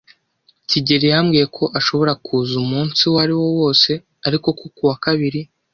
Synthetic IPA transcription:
ciɟeɾijamɡije̞kʰo̞ʔaʃo̞βo̞ɾakʰuːzumuːnsiwaɾiwo̞wo̞ːse̞ | aɾiko̞kokuwakaβiɾi

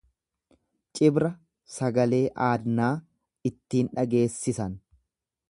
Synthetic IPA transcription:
t͡ʃʼɪbɾɐ | sɐɡɐle̞ːʔaːd̪naː | ɪt̪ːiːnᶑɐɡe̞ːsːɪsɐn

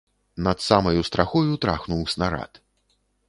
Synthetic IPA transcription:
nɐt̪samɐjust̪ɾaxɔjut̪ɾa̰xnuwsʲnaɾa̰t̪

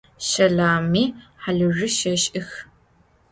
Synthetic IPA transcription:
ʃɐɮaːmiːħaɮɨrɨʃɐɕʼʔɪx

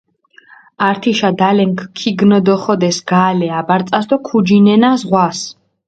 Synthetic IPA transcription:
aɾt̪ʰiʃad̪alɛŋkʰkʰːiɡnɔd̪ɔχɔd̪ɛsɡ̥aːlɛabaɾt̪sʼasd̪ɔkʰud͡ʒinɛnazʁwas

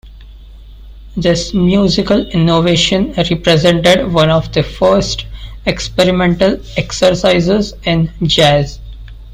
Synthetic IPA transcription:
d̪ɪsmjuːzɪkəlɪnoʋeːʃə̃nɾipɾezẽɳʈeɖʋʌ̃nɔʋd̪əfəːɾsʈ | ekspeɾɪmẽɳʈəl | eksəɾsaɪzezɪ̃nd͡ʒæːz

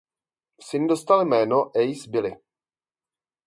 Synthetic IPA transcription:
sɪndost̪almɛːnoʔɛjsbɪlɪ

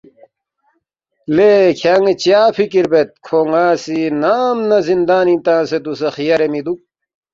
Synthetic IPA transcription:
lekʰjaŋet͡ɕjaːfikiɾbet̪̚kʰoŋaːsinaːmnɐzind̪aːnĩt̪ãːset̪usɐxijɐɾemid̪u

